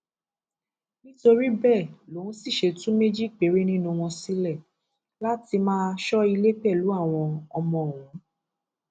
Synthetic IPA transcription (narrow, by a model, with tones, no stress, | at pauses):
nĩ˦to˧ɾi˦bɛ˦˨lo˨˦ũ˦si˦˨ʃe˧tũ˦me˦d͡ʒi˦˨k̚k͡pe˨˦ɾe˦nĩ˦nũ˧w̃ɔ̃˧si˦lɛ˦˨ | la˦ti˧mãː˦ʃɔ˦i˧le˦k͡pɛ˦˨lu˨˦a˦˨w̃ɔ̃˧ɔ˧mɔ̃˧˨wũ˨˦